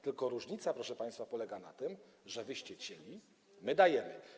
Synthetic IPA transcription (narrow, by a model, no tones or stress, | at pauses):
t̪ɘlkɔɾuʐɲit̪sapɾɔʂɛpaj̃st̪fapɔlɛɡana̰t̪ɘm | ʐɛvɘɕt͡ɕɛt͡ɕelʲi | mɘd̪ajɛmɘ̰